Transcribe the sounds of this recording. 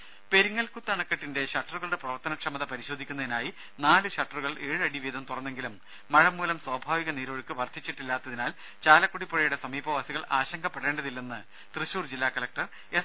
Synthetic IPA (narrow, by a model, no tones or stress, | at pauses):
pe̞ɾuŋːɐlkut̪ːɐɳɐkːɐʈːinde̞ɕɐʈːɐruɣɐɭuɽe̞prɐʋɐrt̪ɐnɐkʂɐmɐðɐpɐɾiɕoːd̪ʱikʲːunːɐðinaːji | naːlɨɕɐʈːɐruɣɐɭe̞ːɻɨɐɽiʋiːd̪ʱɐmt̪urɐnːe̞ŋɡilumː | ɐɻɐmːuːlɐmswaːbʱaːʋiɣɐniːɾoːɻɨkːɨʋɐrt̪ʰit͡ɕːiʈːilːaːt̪ːɐðinaːl | t͡ɕaːlɐkːuɽipːoɻɐjuɽe̞sɐmiːbʱɐʋaːsiɣɐɭaːɕɐŋɡɐpːeɽe̞ːɳɖɐðilːenːɨ | t̪rɨɕuːrd͡ʑilːaːkɐlɐk̚ʈɐr | e